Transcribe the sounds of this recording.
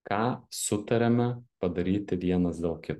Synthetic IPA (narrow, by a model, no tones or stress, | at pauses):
kɑːsʊt̪ɐɾʲɛmʲɛpɐd̪ɐɾʲiːt̪ʲɪʋʲiɛnɐsd̪ʲeːlˠkʲɪt̪